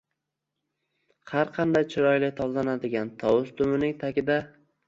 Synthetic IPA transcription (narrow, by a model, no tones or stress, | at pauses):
haɾqʰɑnd̪ajt͡ʃʰɪɾɒjlɪk̚ʲt̪ʰɒbzanad̪ɪɡʲant̪ʰɒwʊst̪ʰʊmɪnɪŋt̪ʰakʲɪd̪a